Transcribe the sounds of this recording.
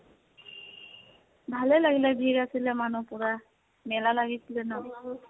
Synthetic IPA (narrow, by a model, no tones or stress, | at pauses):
bʱalɛlaɡilɛbʱiɹasilɛmanupʊɹa | mɛlalaɡisilɛnɔ